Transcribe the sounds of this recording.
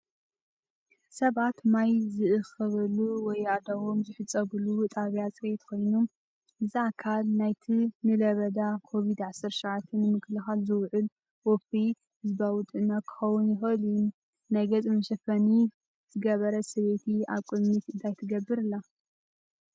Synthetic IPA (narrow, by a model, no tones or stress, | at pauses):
sɐβat̪majzɨʔɨxɐβɐluwɔjad̪ɐwomzɨħɨt͡sʼːɐɡlut̪ʼaβjat͡sʼɾet̪kʰo̞jnum | ʔɨziakʰalnajt̪ʰinɨlɐβɐd̪akʰo̞βid̪ʕasɐɾʃaʕat̪ʰːɐnɨmɨkʰlɨxalzɨwʕʊl | wɔfi | hɨzbawʊt̪ʼɨnɐkʰːɨ̥xɐwʊnjɪxɐlujun | najɡɐt͡sʼmɐʃɐfɐni | z̥ɨɡɐβɐɾɐsɐβet̪ʰia̰βkʼɨmit̪ɨnt̪ʰajt̪ʰɨɡɐbːɨɾɨlːa